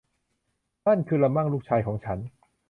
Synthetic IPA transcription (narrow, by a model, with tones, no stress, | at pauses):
na˥˩nkʰɯː˧la˧ma˥˩ŋluː˥˩k̚t͡ɕʰaː˧jkʰɔː˩˦ŋt͡ɕʰa˦˥n